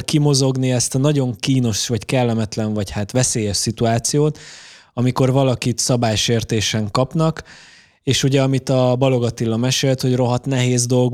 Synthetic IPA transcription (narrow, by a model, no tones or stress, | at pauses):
kimo̞zo̞ɡniɛst̪ɒnɒɟo̞ŋkiːno̞ʃvɒckɛlːɛmɛt̪lɛɱvɒchaːt̪ʋɛseːjɛʃsit̪uaːt̪sijoːt̪ | ɒmiko̞rvɒlɒkit̪sɒbaːjʃeːrt̪eːʃɛŋkɒpnɒk | eːʃuɟɛɒmit̪ɒbɒlo̞ɡɒt̪ilːɒmɛʃeːlt̪ho̞ɟro̞ɦɒt̪nɛɦeːzd̪o̞lɡ